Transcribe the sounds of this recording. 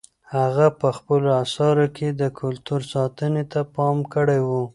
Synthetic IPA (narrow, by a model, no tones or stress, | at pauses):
haɣapəxpəloasɑɾokʰed̪əkʰʊlt̪uɾsɑt̪ənet̪apɑmkəɽejwu